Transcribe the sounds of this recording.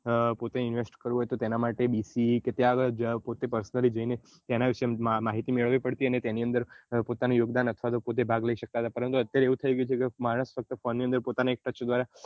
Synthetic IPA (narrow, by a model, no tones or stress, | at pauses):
pot̪eɪnʋesʈkəɾuɦɔjt̪ot̪enamaʈebisiket̪ejaəɡəɭpot̪epəɾsənəlid͡ʒəine | t̪enaʋiʃemaɦit̪imeɭəʋipəɽt̪iənet̪eniənd̪əɾpot̪anũjoɡd̪anət̪ʰʋat̪̬opot̪̬ebʱaɡləiʃək̚t̪aɦət̪apəɾə̃nt̪uət̪ːjaɾeeʋũt̪ʰəiɡəjt͡ʃʰekemaɽ̃əsfək̚t̪əfonːiə̃nd̪əɾpot̪anaek̚ʈət͡ʃd̪ʋaɾa